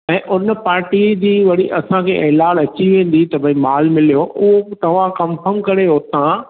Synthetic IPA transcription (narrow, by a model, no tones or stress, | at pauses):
ɛ̃ːʔʊnəpaːɾʈid͡ʑiːʋɐɽiʔɐsãkʰeːʔɛːlaːɽɐt͡ɕiʋẽːn̆d̪it̪ɐbʱɐĩmaːlmɪlijoʔʊɦot̪ɐʋ̤ãkɐ̃mfʰəɾmkɐɾeɦoːt̪ã